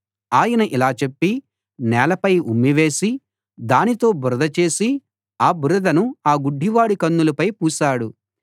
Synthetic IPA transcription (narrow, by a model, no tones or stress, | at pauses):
aːjɐnɐʔilaːt͡ʃepːi | nɛːlɐpɐjumːiʋe̞ːsi | d̪aːnit̪o̞ːbuɾɐd̪ɐt͡ʃe̞ːsi | aːbuɾɐd̪ɐnuaːɡuɖʱːiʋaːɽikɐnːulɐpɐjpuːsaːɽu